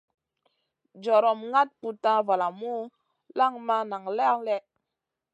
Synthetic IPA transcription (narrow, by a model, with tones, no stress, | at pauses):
d͡ʒɔ˨ɾɔ˨mŋa˦t̚pu˨ta˦va˨la˨mu˦ | la˦ŋma˦na˨ŋllɛ˦